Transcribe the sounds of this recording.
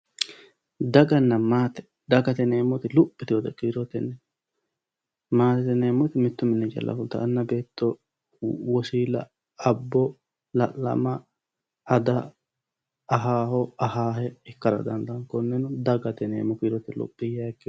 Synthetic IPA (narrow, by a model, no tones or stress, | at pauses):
d̪ɐɡɐnːɐmaːt̪ɛ̥ | d̪ɐɡɐt̪ɛneːmːɔt̪ɪlʊpʼːɪt̪ɪɔd̪ɛkiːɾɔt̪ɛnːɛ | maːt̪ɛt̪ɛneːmːɔt̪ɪmɪt̪ːʊmɪnːɛd͡ʒɐ̰lʔɐ̰fʊlt̪ɐ̰ʔːnːɐbe̞ːt̪ːɔ | wɔsiːlɐ̰ | ɐbːɔ | lɐʔːɐ̰mɐ | ɐd̪ɐ | ɦaːhɔɐhaːhɛɪkːɐɾɐ̰d̪ɐnd̪ɐnkɔnːɛnʊd̪ɐɡɐt̪ɛnḛːmːɔkiːɾɔt̪ɪlʊ̰pʼːɪjakːɪ